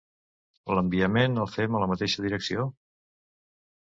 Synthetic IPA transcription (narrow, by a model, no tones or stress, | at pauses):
ələmbiəmenəlˠfɛmələmət̪eʃəðiɾəksio